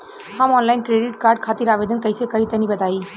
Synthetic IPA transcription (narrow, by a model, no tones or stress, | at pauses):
həmɔːnlaɪnkɾeɖiʈkaːɾɖ̚kʰat̪iɾaːbed̪ənkəjsekəit̪ənibɐt̪ai